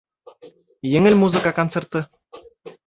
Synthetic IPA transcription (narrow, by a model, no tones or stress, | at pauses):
jɘ̆ŋɘ̆lʲmuzɨ̆kɑkont͡sert̪ɤ̆